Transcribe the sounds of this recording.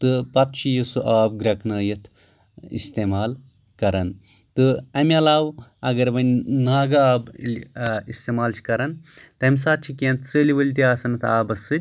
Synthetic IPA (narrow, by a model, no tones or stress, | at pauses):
t̪ɨpɐt̪̚t͡ʃʰijɐsuʔaːbɡɾɐknɐːjɐt̪ʰ | ḭst̪eːmaːl | kɐɾɐn | t̪ɨɐmʲɐlaːwɐɡɐɾbɐnʲnaːɡaːbʲ | ist̪eːmaːlt͡ʃʰi̥kɐɾɐnt̪ɐmʲs̬aːt̪̚t͡ʃʰikeːnt̪ʰsɨːliʋɐlʲt̪̬iaːsɐnɐt̪ʰaːbɐsːɨdʲ